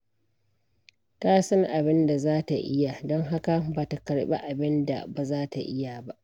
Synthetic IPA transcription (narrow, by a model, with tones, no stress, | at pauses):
ta˦sɐ˦ŋʔa˨bɪ˦nda˨zaː˦ta˨ʔɪ˦ja˨dɔ˦ŋɦa˦ka˨ba˨ta˨kɐ˨ɽɓḛ˦ʔa˨bɪ˦nda̰˨ba˨zaː˦ta˨ʔɪ˦ja˨ba˦ʔ